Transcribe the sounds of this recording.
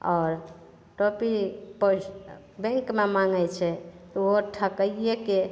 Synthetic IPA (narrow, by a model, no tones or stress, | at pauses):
ɔːɾ | ʈopipə | bẽŋkmemaŋɡɛt͡ʃʰɛt̪ɔoʈʰəkəieke